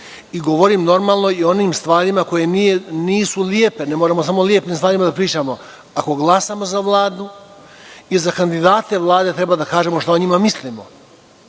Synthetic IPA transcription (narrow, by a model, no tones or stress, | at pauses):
iɡo̞ʋo̞ɾimno̞ɾmaːlˠno̞io̞niːmst̪ʋaːɾimako̞je̞mieniːsuliepe̞ne̞moɾamos̬amo̞lie̞piːmst̪ʋaːɾimad̪apɾiːt͡ʃamo̞ | ako̞ɡlˠasamo̞zaʋlˠaːd̪u | izakand̪id̪aːt̪e̞ʋlˠaːd̪e̞t̪ɾe̞bad̪akaːʒe̞moʃt̪aoɲimamislimo̰